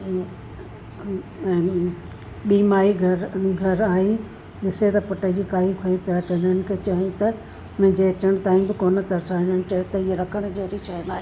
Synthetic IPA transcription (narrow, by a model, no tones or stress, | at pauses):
ɓiːmaːiɡʱɐɾɡʱɐɾaːɦi | ɗɪset̪ɐpʊʈəd͡ʑiːkaːɦikʰoipijat͡ɕɐnənɪ̆kʰet͡ɕɐɦĩt̪ɐ | ʊñɲd͡ʑeɐt͡ɕəɽ̃̆t̪aːĩbɪkoːnə̆t̪ɐɾsaːɦɪ̃nənɪ̆t͡ɕɐɦɪ̃t̪ɐieɾɐkʰəɽ̃̆d͡ʑeːɾiʃɐɦənaːɦeː